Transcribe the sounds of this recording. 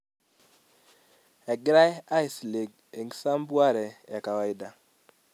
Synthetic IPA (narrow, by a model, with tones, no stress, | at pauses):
ɛ˨ɡɾa˦ja˦i˨sli˨ɡ | e˨ŋɡsa˦mbwa˦ɾɛ˨ɛ˨ka˨wa˨i˦da˨